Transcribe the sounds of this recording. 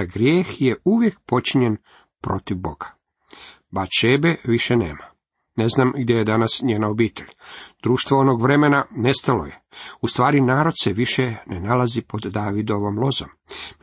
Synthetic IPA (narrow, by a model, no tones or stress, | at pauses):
aɡɾjeːxjeuʋje̞k̚po̞t͡ʃiɲen | pɾo̞t̪iʋbo̞ɡ̥ḁ | bat͡ʃebeʋiʃenḛːma | ne̞znamɡd̪jejed̪anasɲeːnaobiːt̪ʰeʎʲd̪̥ɾuːʃt̪ʋoonoɡʋɾe̞menanest̪alo̰jeust̪ʋaːɾinaːɾo̞d̪seʋiʃenenalazipo̞d̪ːaːʋid̪o̞ʋo̞mlˠo̞zo̰m